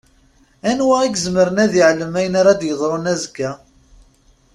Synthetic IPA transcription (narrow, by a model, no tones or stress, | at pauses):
ænwæiɡzməɾənæðiʕləmæjənaɾad̪jəðˤɾˤonæzəɡæ